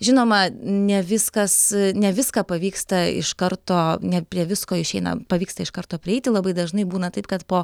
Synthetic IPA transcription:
ʒʲɪnoːmɐnʲɛʋʲɪskɐsnʲɛʋʲɪskɑːpɐʋʲiːkst̪ɐɪ̰ʃkɐrt̪oːnʲɛpʲɾʲiɛʋʲɪskoːɪʃʲɛɪnɐ̰pɐʋʲiːkst̪ɐɪʃkɐrt̪oːpʲɾʲɪɛɪtʲɪlˠɐbɐɪd̪ɐʒnɐɪbuːnɐt̪ɐɪpkɐt̪poː

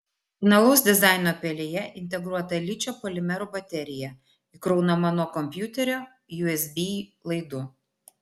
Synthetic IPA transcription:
fʲɪnɐlˠɐʊsd̪ʲɪzɑˑɪnoːpʲɛlʲejɛʔɪnʲt̪ʲɛɡɾuɔt̪ɐlʲɪt͡ʃʲoːpɔlʲɪmʲɛɾubɐt̪ʲɛɾʲɪjɛ | ɪkɾɔʊnɐmɐnoːkɔmʲpʲjut̪ʲɛɾʲoː | juɛsʲb̪ʲilˠɐɪd̪ʊ

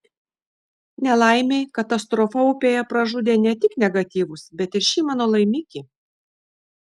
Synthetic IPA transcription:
nʲɛlˠɐˑɪmʲeɪkɐt̪ɐst̪ɾɔfɐʊpʲeːjɛpɾɐʒʊd̪ʲenʲɛt̪ʲɪknʲɛɡɐt̪ʲiːʋʊsbʲɛt̪ɪɾʃʲiːmɑːnoːlˠɐɪmʲɪkʲi

